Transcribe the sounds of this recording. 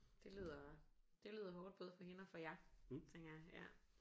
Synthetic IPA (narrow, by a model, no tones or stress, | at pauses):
d̥e̝ly̰ːð̰ˠɐd̥e̝lyːð̞̰ˠɐɦɔːd̥̚b̥ɔ̽ːð̩ˠfɒ̽ɦe̝nəɒfɒ̽jɑt͡sʰeŋɡ̥ɐjaɪjæ̰